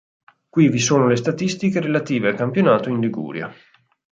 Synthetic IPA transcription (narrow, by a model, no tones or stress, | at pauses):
kwivisoːnolest̪at̪ist̪ikeɾelat̪iːvealkampjonaːt̪oinliɡṵːɾja̰